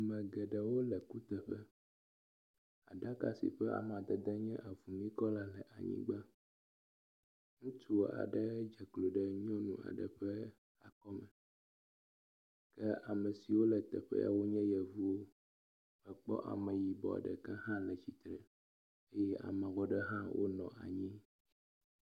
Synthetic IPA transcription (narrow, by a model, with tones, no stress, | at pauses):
mɛ̃˨ɡɛ˨ɖɛ˨wo˦lə˨ku˦t̪ɛ˨ɸɛ˦ | a̰˨ɖa˦ka˦sḭ˨ɸɛ˦a̰˨m˨a˨d̪ɛ˨d̪ɛ˦ɲɛ̃˦ʔa˨vu˨mĩ˦kɔ˦la˨lɛ˨ʔa˨ɲḭ̃˦ɡ͡bə˦ | ŋũ˦tu˦˨a̰˨ɖə˦d͡ʒɛ˨klo˨ɖɛ˦ɲ˦ɔ̃˦nũ˨a̰˨ɖə̰˨ɸɛ˦ | a˨kɔ˦mɛ̃˨ | kɛ˦a˨mɛ˨si˨wo˦lɛ˨t̪ɛ̰˨ɸɛ̰˦ja̰˨wo˦ɲɛ̃˦jɛ˨vu˦wo˦ | mɛ˨k͡pɔ̰˦ʔa̰˨mɛ̃˨ji˨bɔ̰˨a̰˨ɖɛ̰˨kɛ˦ɦã˦lɛ˨t͡ɕi˨t̪ɾɛ˨ | e˦jɛ˦ʔa̰˨mɛ̃˨wɔ˦ɖɛ˦ɦã˦wʔo̰˦nɔ̃˨ʔa˨ɲĩ˦